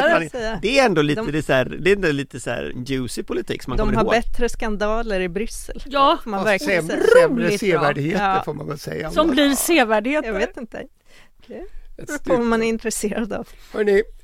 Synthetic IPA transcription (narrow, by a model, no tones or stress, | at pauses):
asɛjːad̪ɛːɾɛnd̪oliːd̪əd̪ɛsæːɾd̪ɛɛnd̪oliːt̪əsæ̰ːɾjʉːsɪpʰʊlɪt̪ʰḭːksɔmanɡd̪ɔmɾhaɾːbɛt̪ːɾəskand̪ɑːləɾɪbɾʏsːə̰ljɑːfoːmanvæɾklɪɛɾuːlɪsːvæɖɪheːt̪ːfoːɾma̰nvɛlsɛ̰jːasɔmbliɾseːvæɖheːɑɡveːt̪ɪnt̪ə̰ | ɾpʰɔvamanæɾɪnt̪ɾɛseːɾad̪a̰vhɑɳɪ